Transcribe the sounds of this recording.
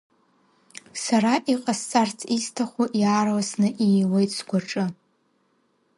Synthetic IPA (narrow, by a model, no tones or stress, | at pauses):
saɾaʔiqʼast͡sʼart͡sʰistʰaχʷuʔjaːrwasnɨʔiwe̞jtʼsɡʷaʈ͡ʂʼɨ